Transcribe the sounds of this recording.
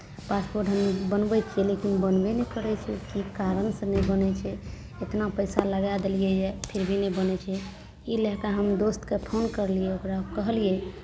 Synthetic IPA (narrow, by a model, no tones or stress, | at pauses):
paspoɾʈɦəmbənbɛt͡ʃʰɛlekinbənbenekəɾɛt͡ʃʰɛ̰kikaɾənsə̃nɛbənɛt͡ʃʰɛ | et̪napəjsaləɡad̪elijejepʰiɾbʱinebənɛt͡ʃʰɛ | ilɛkaɦəmd̪ost̪kepʰonkəɾliɛokɾaokəɦəlie